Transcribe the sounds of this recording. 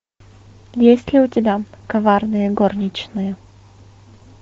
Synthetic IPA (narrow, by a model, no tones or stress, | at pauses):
jjesʲlʲɪʊtʲɪbʲakɐvarnɨjəɡornʲɪt͡ɕnɨjə